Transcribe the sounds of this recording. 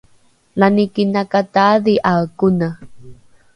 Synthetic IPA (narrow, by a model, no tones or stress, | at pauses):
lanikinakat̪aðiʔakuna